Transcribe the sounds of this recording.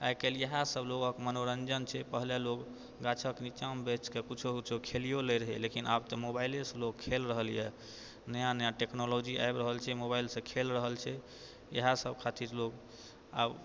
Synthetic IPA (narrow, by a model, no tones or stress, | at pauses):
ajkeljəɦãsəbloɡəkmənoɾənd͡ʒənt͡ʃʰɛpəɦlelok | ɡat͡ʃʰəknit͡ʃambet͡ʃkekut͡ʃʰukt͡ʃʰukʰelijoleɾəɦɛlekinabt̪ɔmobailesə̃lokkʰːelɾəɦəljɛ | nəjanəjãʈeknolod͡ʒia̰jbɾəɦəlt͡ʃʰɛmobajlsə̃kʰelɾəɦəlt͡ʃʰɛ | jə̰ɦasəbkʰat̪iɾlok | a̰b